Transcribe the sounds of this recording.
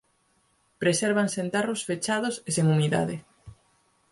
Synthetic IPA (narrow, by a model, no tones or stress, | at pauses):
pɾeseɾβaŋsent̪arosfet͡ʃað̞ʊseseŋumiða̰ðɪ